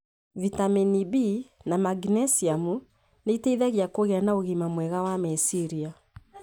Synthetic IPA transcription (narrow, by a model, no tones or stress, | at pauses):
vitaminibinamaɡnɛsiamu | neiteiðaɣiakoɣeanaoɣimamwɛɣawamɛsiɾia